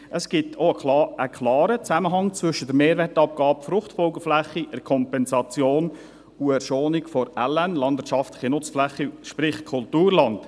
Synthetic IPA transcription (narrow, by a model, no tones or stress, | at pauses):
ʔəsɡ̥ɪtʰoəəkʰlɑːɾət͡sæməɦɑŋt͡svʏʃəd̥əɾmeːɾʋɛːtɑp̚ɡ̥ɑːpfɾʊχtfɔlɡəflæχːiʔəɾkʰɔmpɛnsɑt͡sjoːn | uɛɾʃoːnɪkfɔɾælænlɑndvɪətt͡ʃʃɑftlɪχinʊt͡sflɛχːiʃpɾɪχkʰʊltuːɾlɑnt